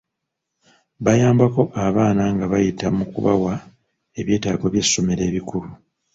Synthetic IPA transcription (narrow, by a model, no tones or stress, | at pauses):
βajaːmbako̞ʔaβaːnaŋɡaβajitamukṵβa̰wa | e̞βje̞ːtaːɡo̞βje̞so̞me̞ɾe̞ːβikuɾu